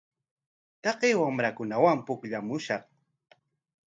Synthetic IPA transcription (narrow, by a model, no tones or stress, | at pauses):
t̪ɑqeːwamɾakʊnawampʊkʎamʊʃɑq